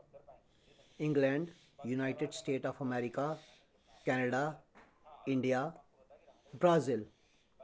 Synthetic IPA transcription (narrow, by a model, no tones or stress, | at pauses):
ɪ̃ŋɡlɛ̃ɳɖ | junaɪʈeɖsʈeːʈɔːfəmɛːɾɪka | kɛːnəɖa | ɪ̃ɳɖija | bɾaːzɪl